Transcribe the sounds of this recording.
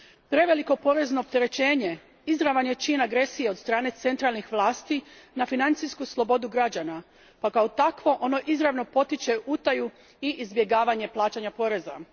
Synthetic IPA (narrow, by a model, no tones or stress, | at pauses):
pɾe̞ʋe̞liko̞po̞ɾe̞zno̞ːp̚t̪e̞ɾe̞t͡ɕe̞ːɲe̞ | izɾaʋanjet͡ʃinaɡɾe̞sijeo̞d̪st̪ɾaːne̞t̪se̞nt̪ɾalnixʋlˠaːst̪inafinant̪sijskuslˠo̞bo̞d̪uɡɾad͡ʑana | pakaot̪akʋo̞ʔo̞no̞ʔizɾaʋno̞po̞t̪it͡ɕe̞ʔut̪aju | iʔizbje̞ɡaːʋaɲe̞plˠaːt͡ɕaɲapo̞ɾe̞za̰